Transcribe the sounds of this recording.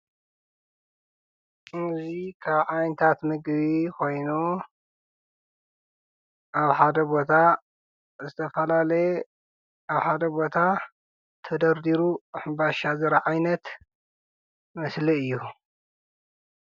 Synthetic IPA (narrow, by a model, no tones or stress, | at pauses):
ʔɨzikʰaβʕajnɨt̪ʰat̪mɨɡβikʰo̞jnu | ʔaβħad̪ɐbo̞t̪ʰa | zɨt̪ʰɐfɐlalɐj | aβħad̪ɐbo̞t̪ʰa | t̪ʰɐd̪ɐɾd̪iɾuħɨmbaʃazɐɾaʕajnɐt̪ | mɐsliɨjːu